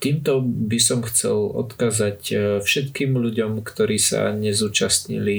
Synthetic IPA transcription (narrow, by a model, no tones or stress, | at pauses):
t̪iːmt̪ɔbisɔmxt͡sɛ̰lɔ̰t̪kaːzacfʃɛt̪kiːmʎuɟɔmkt̪ɔɾiːsa̰ɲɛzuːt͡ʃasɲḭli